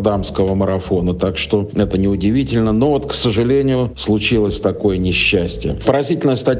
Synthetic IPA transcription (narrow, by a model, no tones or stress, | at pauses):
d̪amskəvəməɾɐfo̞nət̪akʂt̪o̞ɛt̪ənʲɪʊdʲɪvʲitʲɪlʲnəno̞vot̪ksəʐɨlʲenʲɪjʊslˠʊt͡ɕilˠəsʲt̪ɐko̞jənʲɪɕːæsʲtʲɪjəpəɾɐzʲitʲɪlʲnəjəst̪ɐ